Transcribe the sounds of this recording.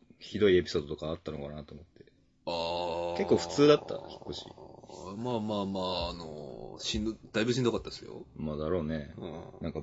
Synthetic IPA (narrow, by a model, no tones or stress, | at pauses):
çid̪o̞ie̞pʲi̥so̞ːd̪o̞t̪o̞kaːt̪ːano̞kanat̪oːmo̞t̪ːe | ake̞kkːo̞ːɸɯ̥t͡sɨːd̪at̪ːa̰çi̥kːo̞ɕḭmaːmaːmaːno̰ɕĩnd̪̥aibɯ̟ɕ̬ĩnd̪okat̪ːad̪esɨjo̰mad̪aɾo̞ːne̞nãŋka